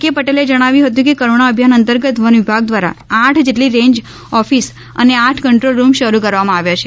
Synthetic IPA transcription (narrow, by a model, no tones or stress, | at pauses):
kepəʈeled͡ʒəɽ̃aʋjũɦət̪̬ũkekəɾoɳ̃aəbʱjanənt̪əɾɡət̪ʋənʋibʱaɡ̚d̪ʋaɾa̰aʈʰd͡ʒeʈliɾẽɲd͡ʒ | ɔfis | ə̰neaʈʰkəɳʈɾolɾumʃəɾukəɾʋamãaʋjat͡ʃʰe̥